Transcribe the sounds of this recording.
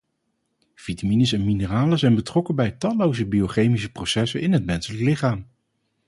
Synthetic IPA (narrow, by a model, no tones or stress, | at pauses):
v̥itaminəsɛnminəraːləzɛjnbətrɔkənbɛjtɑlowzəbiowχejmis̬əprowsɛsənɪnɦətmɛnsələklɪχaːm